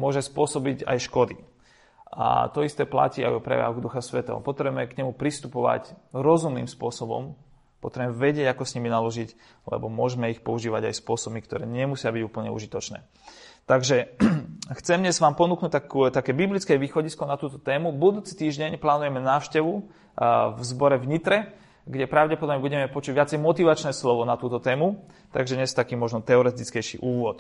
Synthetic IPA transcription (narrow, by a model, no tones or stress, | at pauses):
mʊɔʒɛspʊɔsɔbiɟa̰jʃkɔd̪i | a̰t̪ɔist̪ɛːpla̰ciːa̰jɔpɾɛ̰ʋja̰ɦɡd̪uxasʋɛt̪ɛ̰ɦɔ̰pɔt̪ɾɛbmɛkɲɛmupɾist̪upɔʋa̰cɾɔzumnḭːmspʊɔsɔbɔ̰m | pɔt̪ɾɛbmɛʋɛɟɪɛɟakɔsɲiminalɔʒic | lɛ̰bɔmʊɔʒmɛixpɔuʒiːʋaɟa̰jspʊɔsɔbmikt̪ɔɾɛ̰ːɲɛmusɪabiɟuːpl̩ɲɛṵʒit̪ɔt͡ʃnɛ̰ː | t̪aɡʒɛ | xt͡sɛmɲɛzʋaːmpɔnuːknuːc̚t̪akut̪akɛːbiblit͡skɛʋiːxɔɟiskɔnat̪uːt̪ɔt̪ɛːmubud̪uːt͡si̥t̪iːʒɟɛɲplaːnujɛmɛnaːʊʃcɛʋu | vzbɔɾɛvɲit̪ɾɛ | ɡɟɛpɾaʊɟɛpɔd̪ɔbɲɛbuɟɛmɛpɔt͡ʃuːɟʋɪat͡sɛjmɔt̪iʋat͡ʃnɛːslɔʋɔnat̪uːt̪ɔt̪ɛːmu | t̪a̰ɡʒɛdɲɛst̪akiːmɔʒnɔt̪ɛɔɾɛt̪it͡skɛjʃḭʔuːʋʊɔt̪